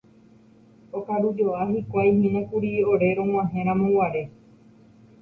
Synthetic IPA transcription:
okaɾud͡ʒo̞ʔaɦikʷajɦẽnãkuɾioɾe̞ɾõŋ̃ãɦẽɾ̃ãmõwaɾe̞

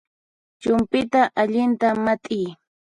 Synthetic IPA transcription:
t͡ʃʊmpɪt̪aʔaʎɪnt̪amat̪ʼɪj

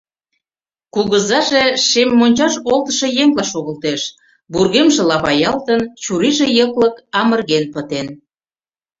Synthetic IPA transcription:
kulɣəzɑʒeʃemːonʲt͡ɕɑʃolt̪ə̥ʃɤ̆jeŋlɑʃoɣə̆lt̪eʃ | burɣemʒĕlɑβɑjɑlt̪ənt͡ɕuɾiʒejəkləkɑmərɣenpət̪en

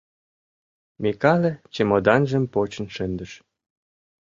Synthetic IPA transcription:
mekɑlĕt͡ɕemod̪ɑnʒəmpot͡ɕə̆nʃɘ̆nd̪ə̆ʃ

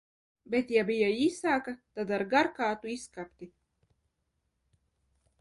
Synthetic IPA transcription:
bet̪jabijaiːsaːkat̪ad̪aɾɡaɾkaːt̪uiskapt̪i

